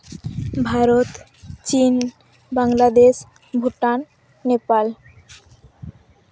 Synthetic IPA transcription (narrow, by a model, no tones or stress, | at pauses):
bʱaɾot̪ | t͡ɕin | baŋlad̪eʃ | bʱuʈanː | epal